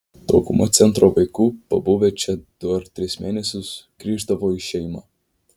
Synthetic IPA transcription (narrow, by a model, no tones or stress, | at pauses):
t̪oːkʊmɔt̪sʲɛnˑt̪ɾoʋɐɪkuːpɐbʊʋʲɛt͡ʃʲɛd̪̥ʊɐɾt̪ʲɾʲɪsʲmʲeːnʲɛsʲʊsɡ̥ɾʲiːʒd̪ɐʋoːiʃʲɛɪmaː